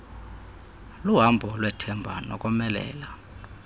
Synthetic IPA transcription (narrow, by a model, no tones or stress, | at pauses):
luɦambʱɔlwɛtʰɛmbʱa̰nɔ̰kʼɔmɛlɛ̰ːla